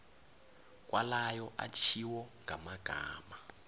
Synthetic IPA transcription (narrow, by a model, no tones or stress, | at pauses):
k̬ʼwalajɔʔat͡ʃʰiwɔŋamaɡ̥ʱa̰ːma